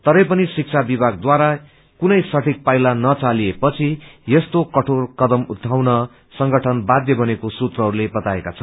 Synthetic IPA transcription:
t̪ʌɾʌjpʌnisik̚t͡sʰabibʱaɡ̚d̪waɾa | kunʌjsʌʈʰik̚pajlanʌt͡saliepʌt͡sʰijest̪okʌʈʰorkʌd̪ʌmud̪ʱːawnʌ | sʌŋɡʌʈʰʌnbad̪jʌbʱʌnekosut̪rʌɦʌɾulebʌt̪aekat͡sʰʌn

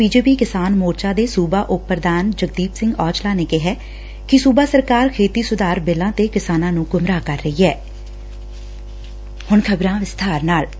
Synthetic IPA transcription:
biːd͡ʒeːpiːkɪsaːnmoːɾt͡ʃaːd̪eːsuːbaːʔʊpːəɾd̪aːnd͡ʒək̚d̪iːpsɪ̃ŋɡɔːt͡ʃlaːneːkɪɦɛː | kɪsuːbaːsəɾkaːɾkʰeːt̪iːsʊd̪aːɾbɪlãːt̪eːkɪsaːnãːnũːɡʊmɾaːkəɾːəɦiːɛː | hʊɳkʰəbɾãːʋɪst̪ʰaːɾnaːl

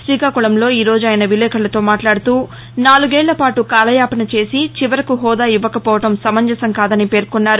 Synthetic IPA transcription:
sʋiːkaːkuɭɐmlo̞ːiːɾo̞ːd͡ʒuaːjɐnɐʋilɛːkʰɐɭɐt̪o̞ːmaːʈlaːɽut̪uː | naːluɡɛːɭːlɐpaːʈukaːlɐjaːpɐnɐt͡ʃe̞ːsit͡ʃiʋɐɾɐkuɦɔːd̪aːjuʋːɐkɐpɔːʋɐʈɐmsɐmɐɲd͡ʒɐsɐŋkaːd̪ɐnipe̞ːɾkunːaːɾu

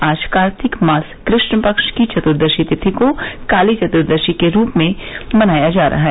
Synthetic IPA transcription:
aːʃkaːɾt̪ʰɪkmaːskɾɪʃnpəkʃkit͡ʃɐt̪ʊɾd̪əʃit̪ɪt̪ʰikokaːlit͡ʃɐt̪ʊɾd̪əɾʃikeɾuːpmẽmɐnaːjad͡ʒaːɾʔɐɦaɦɛ

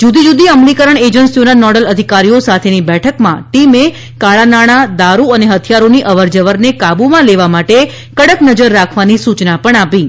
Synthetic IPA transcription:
d͡ʒud̪id͡ʒud̪iəmlikəɾəɳed͡ʒənsionanɔɽələd̪ʱikaɾijosat̪ʰenibɛʈʰəkmã̰ʈime | kaɭanaɽ̃ad̪aɾuəneɦət̪ʰijaɾoniʔəʋəɾd͡ʒəʋəɾnekabumãleʋamaʈe | kəɽəknəd͡ʒəɾːakʰʋanisut͡ʃnapəɳapĩ

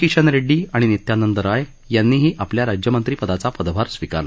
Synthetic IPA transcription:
kiʂənɾeɖiːaɽ̃init̪janənt̪əɾaj | janːiːɦiːʔapljaɾad͡ʑjəmənt̪ɾiːpəd̪at͡sapəd̪bʱaɾsʋika̰ɾla

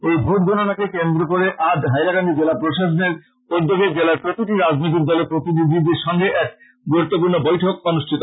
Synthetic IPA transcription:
ojbʱot̪̚ɡʱonanakekend̪ɾokoɾeʔadɦajɾakaɳɖid͡ʑelapɾoʃaʃoneɾ | pod̪ːoɡed͡ʑelaɾpɾot̪iʈiɾad͡ʑnojt̪̬ik̚d̪ɔleɾpɾot̪inid̪ʱid̪eɾʃɔŋɡeʔɛk̚ | ɡuɾut̪ːopuɾnobojʈʰok̚ɔnuʃʈʰit̪o

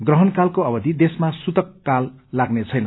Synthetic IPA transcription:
ɡrʌɦʌnkalkoʌbʌd̪ʱid̪esmasut̪ʌkːalːaɡnet͡sʰʌjnʌ

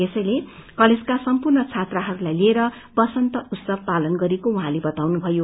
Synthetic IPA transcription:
esʌjlekʌled͡zkasʌmpurnʌt͡sʰat̪raɦʌɾulajlieɾʌ | bʌsʌnt̪ʌʔut̪sʌb̚palʌnɡʌɾekoũɦãlebʌt̪awnubʱʌjo

